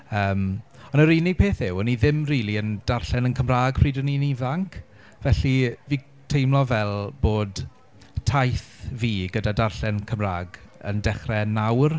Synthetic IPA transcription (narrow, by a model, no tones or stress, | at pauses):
əːmɔnəɾijnɪɡ̚pʰeːθɪwəniðɪmriːlˠiənd̥arɬɛnənkʰəmraːɡpʰriːdəninivaŋkʰ | vɛɬiviː | tʰejmlˠɔvɛlˠboːd | tʰajθviːɡədadarɬɛnkʰəmraːɡə̰ndɛχrɛnawr